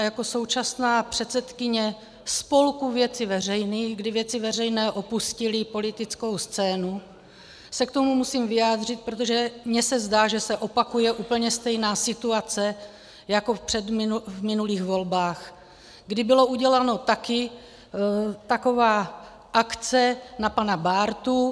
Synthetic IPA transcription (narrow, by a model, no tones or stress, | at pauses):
jako̞so̞wt͡ʃasnaːpr̝̥ɛt̪sɛt̪kɪɲɛ | spo̞lkuvjɛt͡sɪvɛr̝ɛjniːxɡdɪvjɛt͡sɪvɛrɛjnɛːʔo̞puscɪlɪpo̞lɪt̪ɪt͡sko̞wst͡sɛːnu | sɛkt̪o̞mumusiːmvɪjaːd̪r̝ɪt̪̚pɾot̪̬o̞ʒɛmɲɛsɛzdaːʒɛsɛʔo̞pakujɛʔuːpl̩ɲɛst̪ɛjnaːsɪt̪uat͡sɛ | jako̞fpr̝̥ɛd̪mɪvmɪnuliːxvolbaːx | ɡdɪbɪlo̞uɟɛlano̞t̪akɪ | t̪ako̞vaː | ʔakt͡sɛnapanabaːɾt̪u